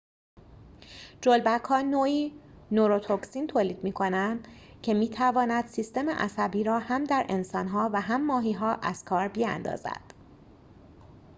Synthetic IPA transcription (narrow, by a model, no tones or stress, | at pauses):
d͡ʒolbækʰɒːnoːiːnoɾot̪ʰoksint̪ʰoːliːd̪miːkʰo̞nænd̪ | cʰe̞miːt̪ʰævɒːnæd̪̥sist̪e̞mḛʔæ̰sæbiːɾɒːhæmd̪æɾʔe̞nsɒːnɦɒːvæɦæmːɒːɦiːɦɒːʔæz̥kʰɒːɾbiæ̰nd̪ɒ̰ːzæ̰d̪̥